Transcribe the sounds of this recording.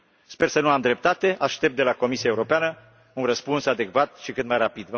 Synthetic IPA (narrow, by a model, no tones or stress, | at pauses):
spe̞rsənuamd̪ɾe̞p̚t̪at̪e̞ʔaʃt̪e̞p̚t̪̚d̪elako̞misiaeuɾo̞peanə | unrəspunsad̪e̞kvat̪̚ʃikɨt̪majrapid̪və